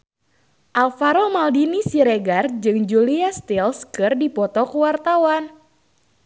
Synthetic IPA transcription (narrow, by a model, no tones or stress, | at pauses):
ʔalfaɾomaldinisiɾeɡard͡ʒɨŋd͡ʒuliast̪ilskɨrdipɔt̪ɔkuwart̪awan